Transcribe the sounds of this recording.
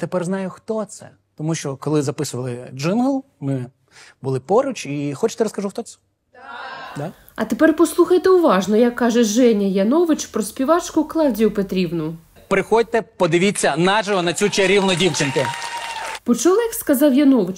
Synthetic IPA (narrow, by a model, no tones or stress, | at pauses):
t̪epɛrznɑjʊxt̪ɔt̪sɛ̰ | t̪ɔmuʃt͡ʃɔkɔlˠɪzɐpɪsʊʋɐlˠɪd͡ʒɪnɦlˠ | mɪ | bʊlˠɪpɔɾʊt͡ʃixɔt͡ʃɪ̥t̪ɛɾɔskɐʒuxt̪ɔsɛ̥ | d̪a | ɐt̪epɛrpɔslˠuxɐjt̪eʊʋɑʒnɔjɐkːɑʒɛʒɛnʲɐjɐnɔʋɪt͡ʃpɾɔspʲiʋɑt͡ʃkʊklˠɑwdʲijʊpet̪ɾʲiwnʊʊ | pɾɪxɔd̚ʲt̪ɛpɔd̪ɪʋʲit͡sʲːɐnɑʒɐɦɔnɐt͡sʲut͡ʃɛɾʲiwnʊdʲiwt͡ʃɪnkʊ | pɔt͡ʃulˠɐkskɐzɑwjɐnɔʋɪt͡ʃ